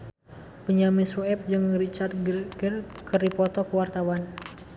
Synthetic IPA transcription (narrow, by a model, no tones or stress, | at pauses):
pəɲamisuɛp̚d͡ʒɨŋɾit͡ʃard̪̚ɡɡərkərdipɔt̪ɔkəwart̪awan